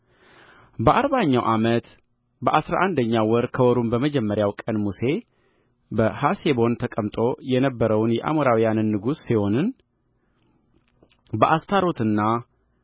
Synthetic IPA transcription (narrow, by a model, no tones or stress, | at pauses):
bəʔaɾβaɲːawʔamət̪ | bəʔasɾa̰ʔand̪əɲːawɔɾkʰəwɔɾumbəməd͡ʒɛmːəɾjawkʼənmuse̞ | bəhasebo̞nt̪ʰəkʼəmt̪ʼo̞jɛnəbːəɾəwnjɛʔa̰moɾawijanɨnːɨɡusːiho̞nɨn | bəʔast̪ʰaɾo̞t̪ʰɨnːa